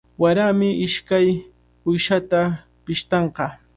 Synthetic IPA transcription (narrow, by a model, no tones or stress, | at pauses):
waɾamɪʔɪʃkaj | ʊjʃat̪a | pɪʃt̪ɑɴqɑ